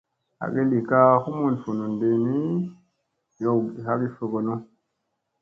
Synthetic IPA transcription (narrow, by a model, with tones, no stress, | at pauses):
a̰˨ɡe˦li˨ka˦xu˦mu˦nfu˨nu˨nde˨ni˦ | jo˦˨ɡi˨ha˦ɡi˦fe˨ɡo˨no˦